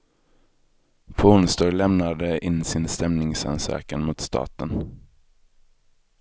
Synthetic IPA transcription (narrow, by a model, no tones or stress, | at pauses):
fʰʊnst̪ɔɾlɛmnad̪əʔɪnːsɪnst̪ɛmnɪŋsa̰nsœ̰ːkənmʊt̪st̪ʰɑ̰ːt̪ən